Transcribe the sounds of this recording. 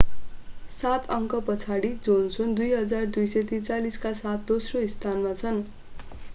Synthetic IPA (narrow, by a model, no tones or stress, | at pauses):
sat̪ʰʌŋkʌpʌt͡sʰaɽid͡zonsond̪ujɦʌd͡zard̪ujsʌt̪it͡saliskasat̪̚d̪osroist̪ʰanmat͡sʰʌn